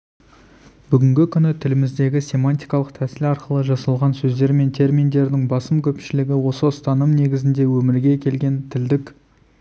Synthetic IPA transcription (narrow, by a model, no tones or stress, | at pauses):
bʏɡʲɪŋɡʲɪkʲʰʏnɪt̪ʰɪlɪmɪzd̪e̞ɡʲɪsʲe̞manʲt̪ʲijkɑlˠəq̚t̪ʰæsɪlɑɾqəlˠəʒɑsɑlˠʁɑnsɵzd̪e̞ɾme̞nt̪ʰe̞ɾmʲind̪e̞ɾd̪ɪŋbɑsəmkʲʰɵpʃɪlɪɡʲɪwo̞səst̪ɑnəmne̞ɡʲɪzɪnd̪e̞wɵmɪɾɡʲe̞kʲʰe̞lɡʲe̞nt̪ʰɪld̪ɪkʲ